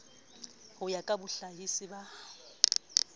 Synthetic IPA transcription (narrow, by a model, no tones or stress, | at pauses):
hʊjakʼabʊɬaɦisɪba